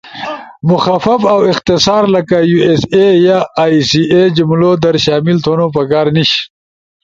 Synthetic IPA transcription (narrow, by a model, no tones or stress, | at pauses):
mʊxafafawɪqt̪ɪsɑːɾləkajuesejasied͡ʒʊmlod̪əɾʃɑːmɪlt̪ʰonopəkɑːɾniʃ